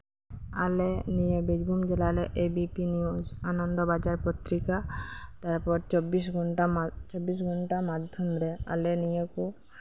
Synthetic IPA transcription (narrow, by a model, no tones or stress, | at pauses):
alenijebidɡʱumd͡ʒɛlalɛʔebipiniuzanɔnd̪ɔbad͡ʒaɹpɔt̪ɾikat̪aɹpɔɹt͡ʃɔbisɡɔnat͡ʃɔbːis̬ɡʱɔnʈamad̪ʱjɔmɾɛa̰lenijɛku